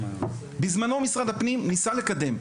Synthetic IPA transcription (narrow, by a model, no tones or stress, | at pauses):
bizmano̞misʁad̪hapnimnisale̞kad̪e̞m